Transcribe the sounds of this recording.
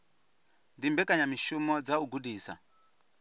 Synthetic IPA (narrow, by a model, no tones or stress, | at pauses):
ndimbɛkʼaɲamiʃumɔd͡zauɡudiːsa̰